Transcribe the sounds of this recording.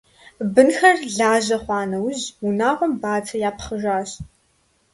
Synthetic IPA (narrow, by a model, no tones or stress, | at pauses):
bɨnxɐrɮaːʑɐχʷɑːnɐwʑunaːʁʷɔmbaːt͡sʰɐjaːpχəʒaːɕ